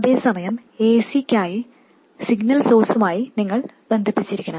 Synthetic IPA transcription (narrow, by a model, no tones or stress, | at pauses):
ɐðe̞ːsɐmɐjɐm | e̞ːsikʲːaːji | siɡnɐlso̞ːrsumaːjiniŋːɐɭ | be̞nd̪ʱipːit͡ɕːiɾikʲːɐɳɐm